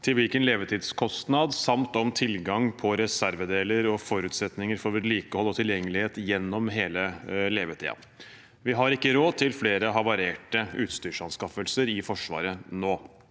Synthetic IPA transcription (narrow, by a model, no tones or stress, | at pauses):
t̪ʰɪlʋɪlkənleːʋət̪ʰiːd̪skʰɔst̪nɑd̪sɑmt̪ɔmt̪ʰɪlɡɑŋpʰɔɾɛsæɾʋəd̪eːləɾɔfɔɾʉːt̪sɛt̪nɪŋəɾfɔɾʋəɾliːkəhɔlːɔt̪ʰɪljɛŋːəlɪheːt̪jɛnːɔmɦeːləleːʋət̪ʰḭːɑ̰ | ʋɪɦɑɾɪkːəɾoːd̪̚t̪ʰɪlfleːɾəɦɑʋɑɾeːʈəʉːt̪st̪yːʂɑnskɑfəlsəɾɪfɔʂʋɑ̰ːɾənoː